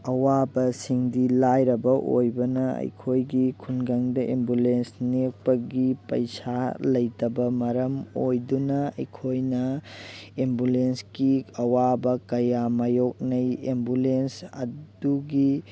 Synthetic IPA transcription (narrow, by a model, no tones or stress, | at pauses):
ɐwabɐsiŋdilajɾɐbɐʔo̰jbɐnɐɐ̰jkʰojɡikʰunɡaŋdɐʔembulensnek̚pɐɡipɐjsalɐjtɐbɐmɐɾɐmojdunɐɐ̰jkʰojnɐ | embulensɡiɐwabɐkɐjamɐjok̚nɐjḛmbulensɐ̰duɡi